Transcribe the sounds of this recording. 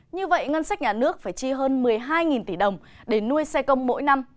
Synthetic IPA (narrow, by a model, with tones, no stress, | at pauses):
ɲɨ˧və̰˧˨jŋə˧nsa˦˥k̟̚ɲaː˨˩nɨ˦˥ək̚faː˧˩jt͡ɕi˧ɦəː˧nmɨ˨˩əjɦaː˧jŋi˨˩nt̪i˧˩ɗə˨˩wŋ͡m | ɗe˧˩nːu˧əjsɛ˧kə˧wŋ͡mmo̰˧˥jna˧m